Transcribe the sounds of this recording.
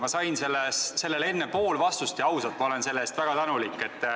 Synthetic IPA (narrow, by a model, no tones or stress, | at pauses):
mɑsɑjnse̞lːesse̞lːe̞le̞nːepo̞ːlvɑst̪ust̪eɑwsɑt̪mɑo̞le̞nse̞lːeːst̪væɡ̥ɑt̪ænulikːˑe̞t̪ː